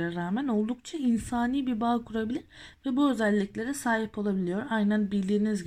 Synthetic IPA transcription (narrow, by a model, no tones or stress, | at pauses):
ɾaɾaːmæno̞lˠd̪ukt͡ʃʰainsaːniːbibaːkʰuɾabilʲiɾvɛbuø̞zælʲːiclʲe̞ɾɛsaːɦipʰo̞lˠabilʲijo̞ɾajnænbiɾlʲiːinizɟ